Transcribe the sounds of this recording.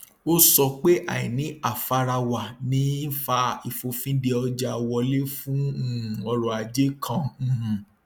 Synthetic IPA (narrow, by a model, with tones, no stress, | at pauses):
o˦sɔ˧k͡pe˦ʔa̰˦˨ĩ˨nĩ˨˦a˦˨fa˧ɾa˧wa˨nĩ˨˦n̩˦fa˧i˨fo˧fĩ˦de˧ɔ˧d͡ʒa˧wɔ˧le˦fũ˦˨ɔ˧ɾɔ̃˨a˨d͡ʒe˦kʰã˧˨h̩˨